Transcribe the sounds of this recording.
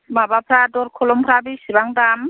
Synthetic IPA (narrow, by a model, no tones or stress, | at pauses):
mabapʰɾadɔɾkʰɔlɔmpʰɾabisibaŋdam